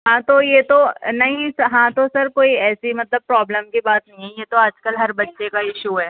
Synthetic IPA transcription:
ɦãt̪ojet̪onɐɦĩsɐɦãt̪osɐɾkoːiɛːsimɐt̪ləb̚pɾɔːbləmkibaːt̪nɐɦĩɦɛjet̪oad͡ʒkəlɦɐɾbɐtːʃekaɪʃuɦɛː

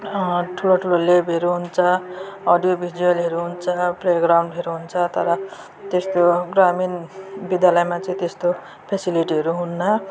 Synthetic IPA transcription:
ʈʰuloʈʰulolebeɾuɦunt͡sʰʌːɖijobʱiɖiʌlɦʌɾuɦunt͡sʰʌpleɡɾawɳɖɦeɾuɦunt͡sʰʌt̪ʌɾʌ | t̪est̪oɡraminbid̪jalʌjmat͡sʌĩt̪est̪o | pʰesiliʈiɦʌɾuɦunːʌ

